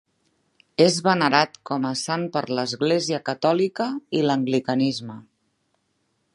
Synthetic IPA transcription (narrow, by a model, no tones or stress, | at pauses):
ezβənəɾat̪kɔməsampəɾləzɣleziəkət̪ɔlikəiləŋɡlikənizmə